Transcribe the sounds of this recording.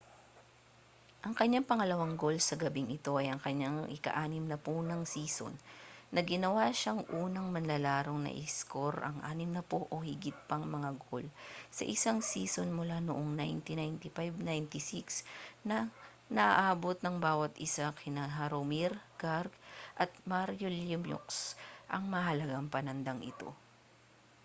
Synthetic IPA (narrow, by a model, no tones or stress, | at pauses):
ʔɐŋkɐɲːaŋpɐŋɐlɐwaŋɡo̞lsɐɡɐbɪŋʔɪt̪o̞ʔɐjɐŋkɐɲaŋʔɪ̰kɐ̰ʔaːnɪmnɐponɐŋsiːso̰nːɐɡɪnɐwaʃaŋʔuːnɐŋmɐnlɐlaːɾo̞ŋnɐ̰ʔɪ̰sko̞ɾʔɐ̰ŋʔa̰ːnɪmnɐpoʔohɪɡɪt̪̚pɐŋmɐŋaɡolsɐ̰ʔɪsaŋsiːsonmʊlanʊʔoŋnajnt̪ɪnajnt̪ɪfajbnajnt̪ɪsiksnɐ | nɐʔaʔaːbot̪̚nɐŋbaːwɐt̪ɪsakʰɪnɐɦɐɾomiɾɡaɾɡʔɐt̪̚maɾjolɪmjo̰ksʔɐŋmɐhɐlɐɡaŋpɐnɐnd̪aŋʔɪ̰t̪o̞̰